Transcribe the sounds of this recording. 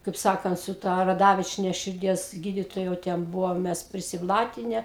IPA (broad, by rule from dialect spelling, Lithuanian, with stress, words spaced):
kɐɪp ˈsɑːkɐnt sʊ ˈtɐ rɐˈdɑːʋʲɪt͡ʃʲiɛnʲɛ ʃʲɪrʲˈdʲiɛs ˈɡʲiːdʲɪtoːjɛ jɛʊ ˈtʲɛn ˈbʊʋoːm ˈmʲɛs pʲrʲɪsʲɪˈblˠɑːtʲɪnʲɛ